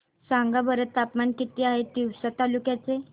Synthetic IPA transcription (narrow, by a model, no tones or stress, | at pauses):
saŋɡabəɾət̪ːapmankit̪iːaɦed̪iwsat̪alukjat͡se